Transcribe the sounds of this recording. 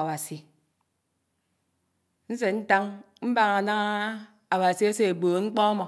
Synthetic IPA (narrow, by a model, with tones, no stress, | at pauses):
a˨wa˨si˨ | n̩˦se˨n̩˦ta˦ŋm̩˦ba˦ŋa˨na˦ŋa˦ | a˨wa˨si˨e˦se˦e˨bo˨˦ŋ͡m̩˦k͡pɔ˦mɔ˨